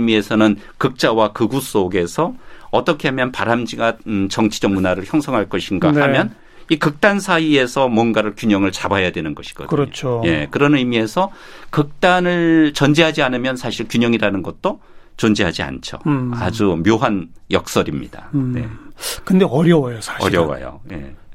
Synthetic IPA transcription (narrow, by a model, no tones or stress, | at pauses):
mie̞sʰʌnɯn | kɯk̚t͡ɕ͈awakɯɡus͈oɡe̞sʰʌʌt͈ʌkʰe̞ɦamjʌnpaɾamd͡ʑiɡat͡ɕʌŋt͡ɕʰi̥d͡ʑʌŋ̚munaɾɯɭçjʌŋsʰʌŋɦaɭk͈ʌɕʰinɡamhamjʌn | ikɯk̚t͈ansʰaie̞sʰʌmwʌnɡaɾɯɭkjuɲʌŋɯɭt͡ɕabajadwe̞nɯnɡʌɕʰi̥ɡ̥ʌ̰dɲot͡ɕʰoje̞kɯɾʌnɯimie̞sʰʌkɯk̚t͈anɯɭt͡ɕʌnd͡ʑiɦad͡ʑianɯmjʌnsʰaɕʰiɭkjuɲʌŋiɾanɯnɡʌt̚t͈o | t͡ɕond͡ʑiɦad͡ʑia̰nt͡ɕʰo̰ad͡ʑumjoɦanjʌk̚s͈ʌɾimɲidane̞̰kɯndeʌɾjʌwʌjosʰḁɕʌɾjʌwa̰jo̰je̞̰